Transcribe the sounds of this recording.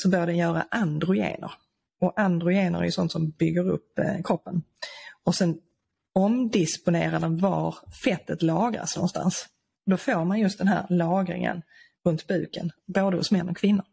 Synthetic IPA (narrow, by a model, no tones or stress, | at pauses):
sɔbœɾjadɛnjœːɾa̰ʔand̪ɾʊjḛːnə̰ɾ | ɔʔand̪ɾʊjeːnə̰ɾæ̰jɵsɔnt̪sɔmbʏɡːəɾɵ̰pːkʰɾɔpːən | ɔsɛn | ɔmd̪ɪspʊneːɾad̪ɛnvɑɾfɛt̪ːət̪lɑːɡɾa̰snɔ̰nːst̪a̰ns | d̪ɔfoːɾmanjɵst̪d̪ɛnɦæ̰ːɾlɑːɡɾɪ̰ŋə̰n | ɾɵnt̪bʉ̟ːkə̰nboːd̪əhʊsmɛnːɔkʰvɪnːʊɾ